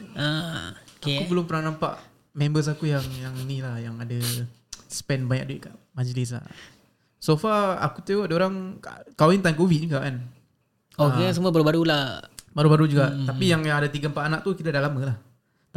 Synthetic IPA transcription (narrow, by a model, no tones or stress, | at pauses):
a | aekubəlʊmpənaŋnãmpa̰ʔ | mɛ̃mbəs̬akujaŋjaŋnilahjaŋada | spɛnbaɲa̰k̚duɪt̪̚kaʔmad͡ʒlɪs̬la̰ | sofaa̰kut̪eoadaoɾaŋa̰kalaint̪ankovit̪̚nĩkaʔan | oeas̬əmuəbaɾubaɾulabaɾubaɾud͡ʒuɡaʔt̪apijaŋjaŋadat̪iɡampaʔanaʔ̚t̪ukit̪adahlaməlah | t̪